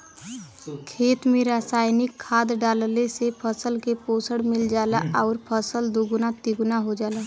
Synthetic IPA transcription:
kʰeːt̪mẽɾaːsaːɪnɪkʰːaːd̪ɖaːllesepʰəsəlkepoːsəɽmɪld͡ʒaːla̰ʔaːɾpʰəsəld̪uɡunat̪iɡunaɦod͡ʒaːla

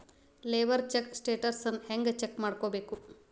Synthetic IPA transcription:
leːʋɐɾt͡ʃeksʈeːʈɐɾsɐnːheŋɡt͡ʃekːmaːɽkoːbe̞ːku

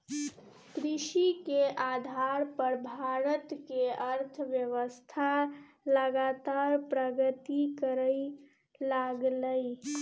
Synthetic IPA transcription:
kɾiʃikeʔad̪ʱaɾpəɾbʱaɾət̪keəɾt̪ʰʋjəʋəst̪ʰa | ləɡat̪aɾpɾəɡət̪ikəɾə | laɡləj

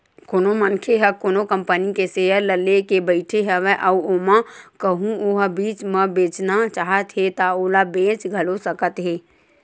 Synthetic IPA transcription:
koːnomənkʰeɦɛkoːnokəmpənikeseːəɾləlekebəɪʈʰeɦɛʋɛʔɔuomãkəɦũoɦbiːt͡ʃməbeːt͡ʃnat͡ʃaːɦət̪ɦet̪aoːlabẽːt͡ʃɡʱəlosəkət̪ɦeː

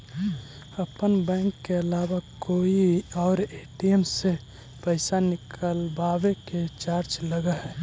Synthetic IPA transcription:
əpənbɛ̃ːŋkːeəlaːbakoiɔːɾeʈiemse | pəɪsanɪkʰəlbaweket͡ʃaɾd͡ʒləɡəɦɛ

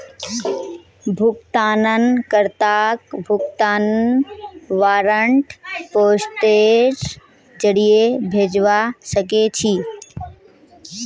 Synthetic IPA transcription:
bʱʊkt̪aːnənkəɾt̪aːkbʱʊk̚t̪aːnənʋaːɾəɳʈpoːsʈeːd͡ʒ | d͡ʒəɽijebʱeːd͡ʒʋasəket͡ʃʰi

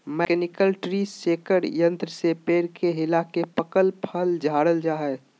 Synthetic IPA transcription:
mɛkɛnɪkəlʈɾiseːkəɽjə̃nt̪ɾəsepeːɾkʰeɦɪlakepəkəlpʰəld͡ʒʱaːɽəld͡ʒaːɦɛː

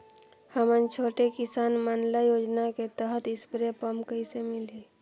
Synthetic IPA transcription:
həmənt͡ʃʰoːʈekɪsaːnmənləjoːd͡ʒnaket̪əɦət̪ɪsbɾepəmkəisemɪle

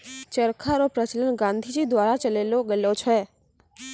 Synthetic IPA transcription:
t͡ʃəɾkʰaɾopɾət͡ʃələnɡãnd̪ʱid͡ʒid̪ʋaɾat͡ʃəleloɡəlot͡ʃʰɛ

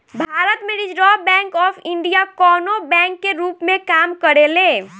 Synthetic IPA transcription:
bʱaːɾət̪mẽɾid͡ʒɾɔbɛ̃ŋkɔːpʰiɳɖijakɔːnobɛ̃ŋkːeɾuːpmẽkamkəɾeleː

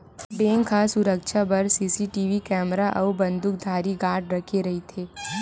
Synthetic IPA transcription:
beːŋkʰaːsʊɾəkʃʰabɐɾsiːsiʈiːʋikɛːmɾaʔɔːbɐ̃nd̪ʱʊk̚d̪ʱaːɾiɡaːʈɾɐkʰeɾɐɦit̪ʰeː

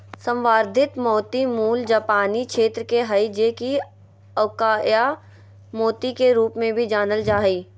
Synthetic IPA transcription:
sə̃mʋaːɾd̪ʱɪt̪mɔːt̪imuːld͡ʒaːpaːnikʃeːt̪ɾəkeɦəid͡ʒeki | ɐkaːja | moːt̪ikeɾuːpmẽbʱid͡ʒaːnəld͡ʒaːiː

